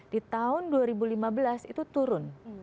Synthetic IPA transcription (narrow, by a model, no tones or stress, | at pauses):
d̥it̪aʊnduaɾibulimabəlasit̪ut̪uɾʊn